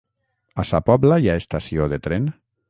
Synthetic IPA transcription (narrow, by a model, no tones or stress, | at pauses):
asapɔblajaest̪asioðet̪ɾen